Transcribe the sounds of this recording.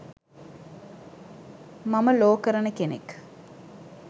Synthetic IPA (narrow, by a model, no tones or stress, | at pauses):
maməloːkəɾənəkenḛk